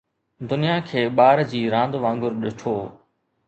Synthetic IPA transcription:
d̪ʊnijakʰeːɓaːɾd͡ʑiːɾãːnd̪ʋãːŋɡʊɾɗɪʈʰoː

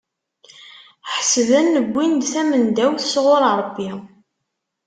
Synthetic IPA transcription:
ħəsðənːəɡʷːind̪θæmənd̪æwθəsʁoɾˤɾˤəbːi

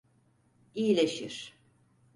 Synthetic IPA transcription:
iilʲeʃiɾ̥

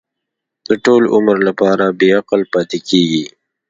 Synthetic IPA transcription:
d̪̥əʈoːlʊ̰məɾlapɑːɾabeaqəlpɑːt̪ekʰeɡi

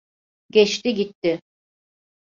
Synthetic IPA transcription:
ɟɛt͡ʃt̪iɟit̪ːɪ

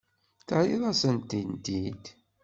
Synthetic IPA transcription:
θəʕiðˤɑsənt̪int̪id̪

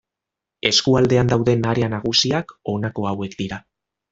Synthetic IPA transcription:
e̞skuald̪e̞and̪awðe̞naɾeanaɣusiako̞nako̞awe̞kd̪iɾa

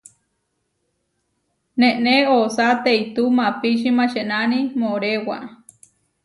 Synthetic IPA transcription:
nẽʔneosat̪eit̪umãpiʃ̬imãʃeʔnanimoɾewa̰ʔ

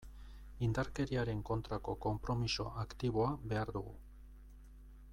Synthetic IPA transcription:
ind̪aɾke̞ɾiaɾe̞ŋko̞nt̪ɾako̞ko̞mpɾo̞miso̞ʔakt̪iβ̞o̞aβe̞aɾðuɣu

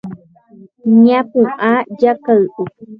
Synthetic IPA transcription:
ɲãpũʔãjakaʔu

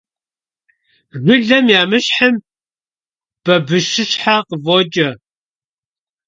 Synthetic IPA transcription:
rʷɪɮɐmjaːmɨɕħəm | b̥ɐbɨʃɪɕħaqəvot͡ʃʼɐ

